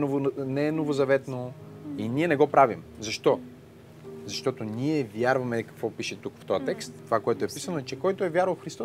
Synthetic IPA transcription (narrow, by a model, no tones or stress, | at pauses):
ovnɛnovozɐvɛt̪no | iniɛnɛɡɔpɾavimzɐʃt̪ɔ | zɐʃt̪ɔt̪onʲiɛvjaɾvɐmɛkɐkvɔpiʃɛt̪ukft̪ɔjɐt̪ɛkst̪t̪ːovakoɛt̪oɛpisənoɛt͡ʃɛkɔjt̪oɛvjaɾvɐlˠfxɾist̪ɔ